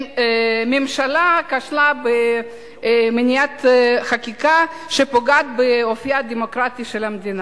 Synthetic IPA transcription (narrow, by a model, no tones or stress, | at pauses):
memʃalakaʃlabe | menijat̪χakika | ʃepoɡat̪̚beofijad̪emokɾat̪iʃelamd̪ina